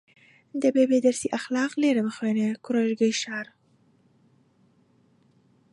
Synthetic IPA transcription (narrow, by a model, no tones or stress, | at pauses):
d̪əbebed̪aɾsiʔaxlɑqleɾaməxwenekʊɾaʒɡəjʃɑɾ